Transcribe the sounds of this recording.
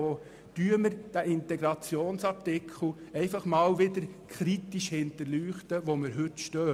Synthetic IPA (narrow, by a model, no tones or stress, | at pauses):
oː | tyːəməɾd̥æʔɪnt̪ɛɡɾɑt͡sjoːnsɑp̚tɪkʰl̩ɛɪfɑχmɑːwʋɪdəɾkʰχɾit̪iʃhɪnt̪əɾlyːχt̪əʋoməɾɦɵt̪ʃtœː